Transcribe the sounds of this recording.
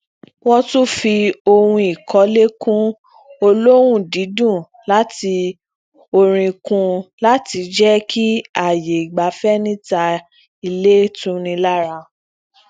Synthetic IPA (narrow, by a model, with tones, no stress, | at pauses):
wɔ˦tũ˦fi˧o˧hũ˧i˨kɔ˨˦le˦kũ˦ | o˧lo˦wũ˦˨di˨˦dũ˦˨ | la˦ti˧ | o˧ɾ̃ĩ˧kũ˧la˦ti˧d͡ʒɛ˦kʰi˦a˦˨je˨i˨ɡ͡ba˨˦fɛ˦nĩ˦ta˧ | i˧le˦tũ˦nĩ˧la˦˨ɾa˧